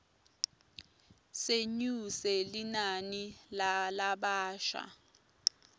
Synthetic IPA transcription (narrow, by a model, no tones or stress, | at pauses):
seɲusɛlinanilalaɓaːʃa̰